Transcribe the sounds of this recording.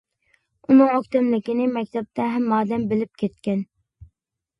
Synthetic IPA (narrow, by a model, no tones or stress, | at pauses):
unɨŋøk̚ʲt̪ɛmlɪkʲinɪmɛkʲt̪ʰɛp̚t̪ʰɛɦɛmːɑːd̪ɛmbɪlɪp̚kʲʰet̪kʲɛn